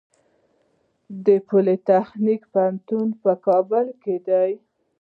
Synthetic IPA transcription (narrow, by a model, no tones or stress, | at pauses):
d̪əpolet̪axnikpaant̪unpəkɑbəlked̪aj